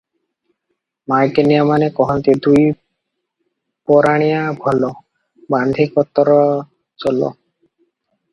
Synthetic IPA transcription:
majkeniamanekɔɦɔnt̪id̪uj | pɔɾaɽ̃ijabʱɔlo | band̪ʱikɔt̪ːɔɾɔ | t͡ɕɔlo̰

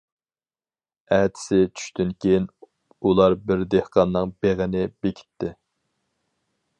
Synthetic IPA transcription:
æt̪ʰɪ̥sɪt͡ʃʰy̥ʃt̪ynkʲʰejn | ulˠɑɾbɪɾd̪ehqɑnːɨŋbeʁɪnɪbekʲʰi̥t̪ʰːɪ

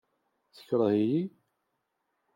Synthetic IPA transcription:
θə̥çɾˤəhiji

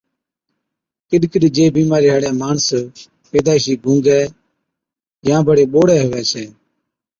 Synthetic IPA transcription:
kɪɗkɪɗd͡ʒeːbiːmaːɾiːɦaɽjãːmaːɳs | peːd̪aːiʃiːɡũːŋɡɛː | jãːbʱəɽeːɓoːɽɛːɦʊʋɛːt͡ʃʰɛː

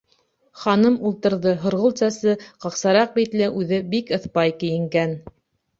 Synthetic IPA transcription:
χɑnɤmulˠt̪ɤ̆ɾðɤɦŏɾʁŏlˠt̪sɑsɤqɑqsɑɾɑq̚bit̪lɘʔʉðɘbikɤ̆θpɑjkɘ̆jɘ̆ŋɡæn

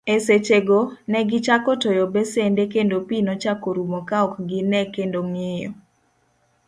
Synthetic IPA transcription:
eset͡ʃeɡonɛɡɪt͡ʃakɔtojɔbɛsendekendopinot͡ʃakoɾumɔkaɔkɡɪnɛkendoŋɪjɔ̰

